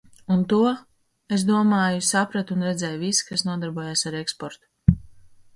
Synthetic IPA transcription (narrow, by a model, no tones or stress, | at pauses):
unt̪uɔ | es̬d̪uɔmaːjusapɾat̪unɾɛd̪zɛːjvisi̥kasnuɔd̪aɾbuɔjaːsaɾekspɔɾt̪u̥